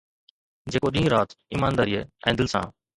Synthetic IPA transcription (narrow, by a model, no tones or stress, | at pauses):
d͡ʑeːkoːɗĩːɾaːt̪iːmaːnd̪aːɾiːɦeːɛ̰̃ːd̪ɪlsã̰ː